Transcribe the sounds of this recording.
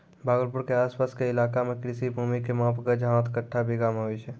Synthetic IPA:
baːɡəlpuɾkeaːspaskeɪlakamekɾisibʱumikemãpkəd͡ʒəɦãt̪kəʈʰːabeɡameɦojt͡ʃʰɛ

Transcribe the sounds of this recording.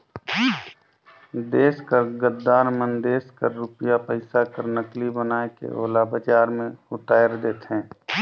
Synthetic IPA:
d̪eːskəɾɡəd̪ːaːnmənd̪eːskəɾːʊpjapəɪsakəɾnəklibənaːekḛʔo̰ːlabəd͡ʒaːɾmẽʊt̪aːjəɾd̪eːt̪ɦɛ̃ː

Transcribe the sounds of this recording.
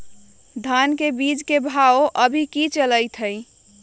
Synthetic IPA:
d̪ʱankebid͡ʒkebʱaoʔəbʱikit͡ʃələjt̪ʰəj

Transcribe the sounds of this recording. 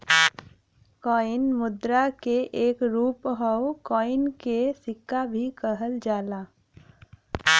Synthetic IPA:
kɔːɪnmʊd̪ɾakeʔeːkɾuːpɦɔwkɔːɪnkesɪkːabʱikəɦəld͡ʒaːlaː

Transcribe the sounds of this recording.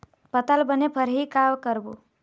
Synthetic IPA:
pət̪albənepʰəɾɦikawkəɾbu

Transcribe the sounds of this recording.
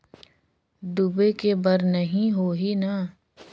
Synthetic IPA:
d̪ubekebɐɾnɐɦĩɦoːɦina

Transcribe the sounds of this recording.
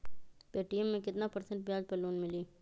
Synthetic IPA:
peːʈiɛmːẽkɪt̪napɐɾsə̃ɳʈ̚bijaːd͡ʒpəɾloːnmɪliː

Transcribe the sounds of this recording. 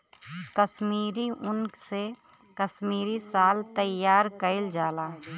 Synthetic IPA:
kəsmiːɾiʔʊnkse | kəsmiːɾisaːlt̪əjːaːɾkəɪld͡ʒaːlaː

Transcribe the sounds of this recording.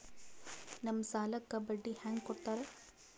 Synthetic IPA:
nɐmːsaːlɐkːɐbɐɖːihaːŋɡkɔɽt̪aːɾe

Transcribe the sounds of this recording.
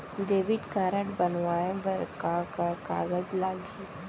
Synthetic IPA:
ɖeːʋɪʈkaːɾəʈbɐnʋaːẽbɐɾkakaka̰ːɡəd͡ʒlaːɡi

